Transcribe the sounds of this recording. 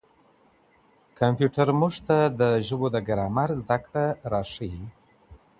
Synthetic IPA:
kʰampjuʈaɾmuʐt̪ad̪əʒəbod̪əɡaɾɑmaɾzd̪akɽaɾɑʂəji

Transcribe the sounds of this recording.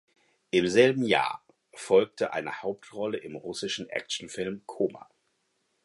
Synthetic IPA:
ʔɪmzɛlbm̩ja̰ːɐ | fɔlk̚tʰəʔa̰ɪnə̰haʊp̚tʁɔləʔɪmʁʊsɪʃn̩ʔɛ̰kʃn̩fɪlmkʰoːma̰

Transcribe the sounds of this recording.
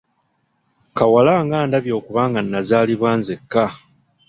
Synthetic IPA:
kawalaːŋɡaːndaβjo̞ːkuβaːŋɡanːazaːliβwaːnzekːa

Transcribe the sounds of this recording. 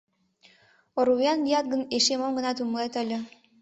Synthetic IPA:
oɾujɑndijɑt̪̚ɡə̆neʃemomɡə̆nɑt̪umlet̪ə̆lʲɘ̆

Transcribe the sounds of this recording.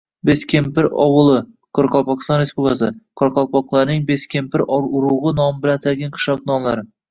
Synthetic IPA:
beskʲʰempɪɾɒ̰wɨlˠɪ | qʰɨɾqɒlˠpɒkʲɪst̪ɒnɾespublʲkasɪqʰɨɾqʰɒlˠpʰɒqlˠaɾnɪŋbeskʲempɪɾʔɒɾʊɾuʁɨnɒmɪbɪlant̪ʰaɾɡʲanqʰɨ̥ʃlɒqnɒmlˠaɾɪ

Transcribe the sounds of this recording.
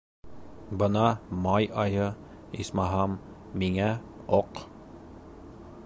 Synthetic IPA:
bɤ̆nɑmɑjɑjɤ | ḭsmɑɦɑmː | iŋæ | oq

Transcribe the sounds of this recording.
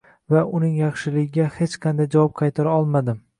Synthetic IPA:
vaʊnɪŋjɑχʃɪlɪɡʲɪɡʲahe̞t͡ʃqʰɑnd̪ajd͡ʒavɒp̚qʰɑjt̪ʰaɾaɒlˠmad̪ɪm

